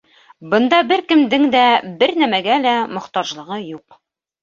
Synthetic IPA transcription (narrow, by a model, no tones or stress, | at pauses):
bɤ̆nd̪ɑbɘɾkɘ̆md̪ɘŋd̪æbɘɾnæmæɡælæmŏχt̪ɑʒlˠɤ̆ʁɤjuq